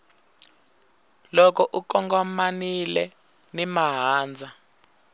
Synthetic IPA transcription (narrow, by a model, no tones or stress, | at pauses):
lɔk̬ɔʔukɔŋɡɔmanilɛ | nimaɦaːnd͡zʱa